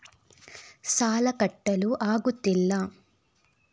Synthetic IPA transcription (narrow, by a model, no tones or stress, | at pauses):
saːlɐkɐʈːɐluʔaːɡut̪ilːaː